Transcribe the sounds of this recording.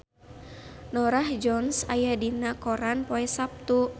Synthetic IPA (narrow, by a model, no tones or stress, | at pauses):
nɔɾahd͡ʒɔnsajadinakɔɾanpɔɛsap̚t̪u